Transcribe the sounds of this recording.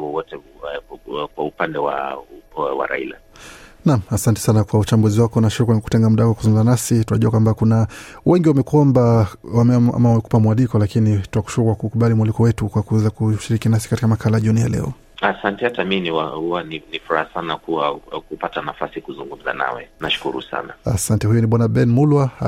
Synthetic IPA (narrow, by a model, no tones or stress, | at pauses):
wɔwɔtɛ | kwaupandɛwa̰ | wa̰ɾa̰ḭla̰namasantɛ̥sanakwaut͡ʃambuziwakɔnaʃiɾikwaniku̥tɛŋɡamuɗawakwakuzuŋɡum̩zanasitunaʄuakwambakunawɛŋɡiwamɛkuɔmbawamʔa̰mawamɛku̥pamuwalikɔlakinituaku̥ʃuɾukwakukuɓalimwalikɔwɛtukwakuɛzakuʃiɾikinasi̥katikamakʰalajaʄunija̰lɛ̰ɔ | asantɛhataminiwahuaninifuɾahasanakuwakupatanafasikuzuŋɡum̩za̰na̰wɛ̰naʃu̥kṵɾṵsa̰naasantɛhujuniɓwanaɓɛnmulwa